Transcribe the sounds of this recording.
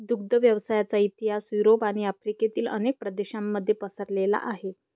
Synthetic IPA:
d̪uɡ̚d̪əʋjəʋsajat͡sait̪iɦasuɾopaɽ̃iafɾiket̪iːlə̰nek̚pɾəd̪eɕamːəd̪ʱːjepəsəɾlela̰ʔaɦe

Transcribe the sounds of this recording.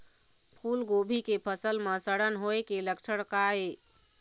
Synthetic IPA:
pʰulɡobʱikepʰəsəlmesəɽənɦoekeləkt͡ʃʰəɽkae

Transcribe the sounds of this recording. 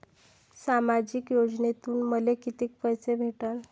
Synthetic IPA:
samad͡ʑiːkjod͡znet̪uːnməlekit̪iːk̚pəjt͡sebʱeʈən

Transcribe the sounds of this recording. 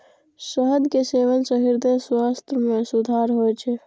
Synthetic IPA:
səɦəd̪keseʋəlsəɦiɾd̪eswast̪ʰəmẽsud̪ʱaːɾɦojt͡ʃʰe

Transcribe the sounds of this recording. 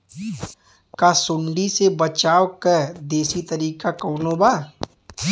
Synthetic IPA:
kasʊ̃ɳɖisebɐt͡ʃaːwkəɾd̪eːsit̪ɐɾiːkakɔːnobaː

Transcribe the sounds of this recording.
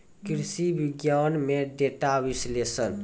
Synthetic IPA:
kɾsibiɡjanmeɖeʈabislesən

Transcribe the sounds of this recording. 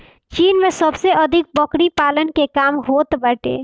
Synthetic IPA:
t͡ʃiːnmẽsəbseʔɐd̪ʱɪk̚bɐkɽipaːlənkekaːmɦoːt̪bəʈḛː

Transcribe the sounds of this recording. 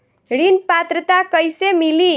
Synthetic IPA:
ɾinpat̪rət̪akʌjsemili

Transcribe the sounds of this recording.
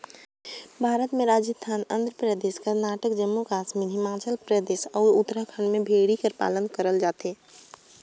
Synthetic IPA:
bʱaːɾət̪mẽɾaːd͡ʒəst̪ʰaːnə̃nd̪ɾəpɾəd̪eːʃkəɾnaːʈəkd͡ʒəmːukaːsmiɦɪmaːt͡ʃəlpɾəd̪eːʃɔːɾut̪ɾakʰənmẽbʱeːɽikəɾpa̰ːlənkəɾəld͡ʒaːt̪eː

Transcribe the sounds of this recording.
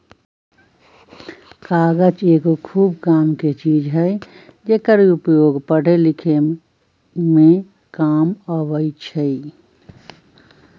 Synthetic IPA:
kaɡəd͡ʒeɡokʰuːbkaːmket͡ʃid͡ʒɦəj | d͡ʒekəɾiupjoːɡpəɽ̤elikʰe | mẽ | kaməʋəɪt͡ʃʰəi

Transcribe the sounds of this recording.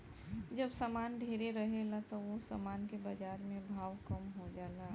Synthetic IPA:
d͡ʒəbsaːmaːnɖʱeːɾeɾəɦelat̪oʋosa̰maːnkebəd͡ʒaːɾmẽbʱaːʋkəmɦod͡ʒaːla

